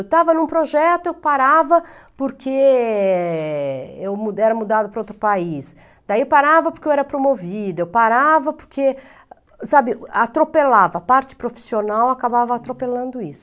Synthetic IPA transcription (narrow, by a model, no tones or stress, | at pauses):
wt̪avɐnũpɾoʒɛt̪ʊewpaɾavɐ | poɾkʰe | ewmuɛɾɐmud̪ad̪ʊpɾowt̪ɾʊpais | d̪̥aiewpaɾavɐpoɾkewɛɾɐpɾomovid̪ʊewpaɾavɐpo̥ɾkʰe | sabɪat̪ɾopelavɐːpaɾt͡ʃɪ̥pɾofi̥sionawakabavɐat̪ɾopelɐ̃nd̪ʊisʊ̥